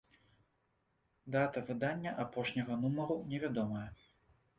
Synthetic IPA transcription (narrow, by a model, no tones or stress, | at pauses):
d̪at̪ɐvɨd̪anʲːɐʔapɔʂnʲɐɣɐnumɐɾunʲɛvʲad̪ɔmɐjɐ